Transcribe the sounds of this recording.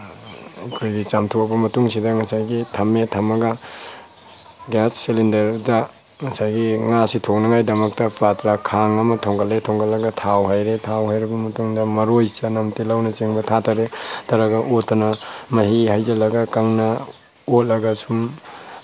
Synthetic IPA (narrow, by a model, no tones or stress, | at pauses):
akʰojɡit͡ʃamtʰoɐbɐmɐtuŋsidɐŋɐsajɡitʰɐmetʰɐmɐɡɐ | ɡasːilindɐɾdɐ | ŋɐsajɡiŋasitʰok̚nɐŋajdɐmɐk̚tɐpatɾakʰaŋɐmɐtʰɔŋɡɐletʰoŋɡalːɐɡɐtʰawɦajɾetʰawɦajɾibɐmɐtuŋdɐmɐɾojsɐnɐmtilawnɐt͡ʃeŋbɐtʰatʰaɾetɐɾaɡɐʔotɐnɐmɐhihajzɐlɐɡɐkaŋnɐ | otlɐɡɐsum